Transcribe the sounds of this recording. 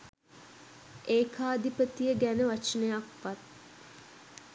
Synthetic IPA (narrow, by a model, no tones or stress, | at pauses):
ʔeːkʰaːd̪ipət̪ijəɡænəʋat͡ʃənəjakʋat̪̚